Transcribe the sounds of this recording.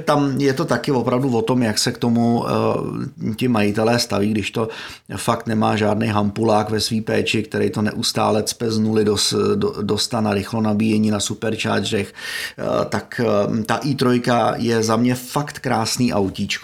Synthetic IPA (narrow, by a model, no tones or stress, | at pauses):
t̪amjɛt̪o̞t̪akɪvo̞pɾavduvo̞t̪o̞mjaksɛkt̪o̞mu | cɪmajɪt̪ɛlɛːst̪aviːɡdɪʃt̪o̞ | fakt̪nɛmaːʒaːdnɛjɦampulaːkvɛsviːpɛːt͡ʃɪkt̪ɛɾɛjt̪onɛ̰ʔust̪a̰ːlɛt͡spɛznulɪdosdost̪anaɾɪxlonabiːjɛɲiːnasupɛɾt͡ʃa̰ːd͡ʒrɛx | t̪akt̪aʔiːt̪ɾojkajɛzamɲɛfakt̪kɾaːsniːʔawcit͡ʃk